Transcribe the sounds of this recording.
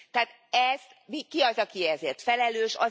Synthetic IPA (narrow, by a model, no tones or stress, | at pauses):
t̪ɛaːt̪ | ɛz̥t̪mikiɒzɒkiɛzeːrt̪fɛlɛløːʃɒ̰